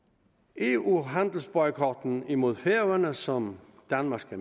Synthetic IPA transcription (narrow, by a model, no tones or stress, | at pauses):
e̝uɦænd̥l̩sb̥ɒɪkʰɒːd̥n̩imo̝ð̞̰ˠfeɐʋænəsɒ̽md̥ænmɑ̈sɡ̥æ